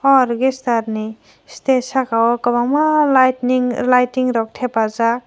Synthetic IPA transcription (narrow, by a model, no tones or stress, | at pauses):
ɔɾɡestaɾni | stesakawɔkabamalajtniŋlajtiŋɾɔk̚tʰepaza